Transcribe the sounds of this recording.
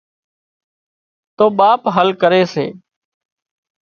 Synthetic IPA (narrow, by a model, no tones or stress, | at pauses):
t̪oːɓaːpɦəlkəɾeːsḛː